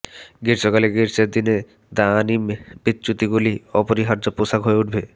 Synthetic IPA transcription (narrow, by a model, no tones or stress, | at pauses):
ɡiɾsokaleɡiɾseɾd̪ine | d̪animbit̪ːt͡ʃut̪iɡuliɔpoɾiɦaɾd͡ʑoposaɡɦoeuʈʰbe